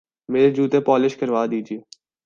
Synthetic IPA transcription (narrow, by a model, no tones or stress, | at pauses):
meːɾed͡ʒuːt̪epɔːlɪʃkəɾʋaːd̪iːd͡ʒieː